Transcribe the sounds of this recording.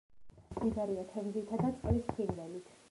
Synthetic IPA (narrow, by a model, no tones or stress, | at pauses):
dib̪aɾiat̪ʰɛmzit̪ʰad̪alispʰinvɛlit̪ʰ